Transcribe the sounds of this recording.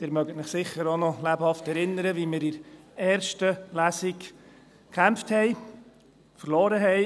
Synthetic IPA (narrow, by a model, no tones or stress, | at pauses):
d̥̪ɪɾmœɡətnɪχsɪχəɾonɔlæb̥hɑftɛɾɪnːəɾəvimɪːɾɪɾ | ɛːɾʃtəlæsik | kʰæmfthɛɪ | fəɾlɔːɾəɦɛɪ